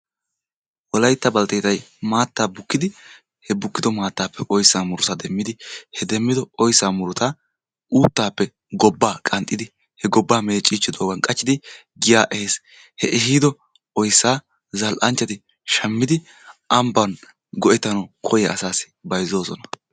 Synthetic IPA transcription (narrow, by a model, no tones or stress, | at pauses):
wɔlɐjt̪ːɐbɐlt̪et̪ɐjmaːt̪ːaːbʊkːɪd̪ɪ | hɛbʊkːɪd̪ɔmaːt̪ːaːpːɛʔɔjsːaːmʊɾʊt̪ɐd̪ɛmːɪd̪ɪhɛd̪ɛmːɪd̪ɔʔɔjsːaːmʊɾʊt̪a | uːt̪ːaːpːɛ | ɡɔbːaːkʼɐnt̪ʼːɪd̪ɪ | hɛɡɔbːaːmeːt͡ʃʼːiːt͡ʃːɪd̪oːɡɐnkʼɐt͡ʃːɪd̪ɪ | ɡɪjaːʔɛheːs | hɛʔɛɦiːd̪ɔ | ɔjsːaː | zɐlʔɐnt͡ʃːɐt̪ɪ | ʃɐmːɪd̪ɪ | ʔɐmbɐn | ɡɔʔɛt̪ːɐnɐkʰɔjɛɐsaːsɪ̥bɐjzo̞ːsɔ̰nɐ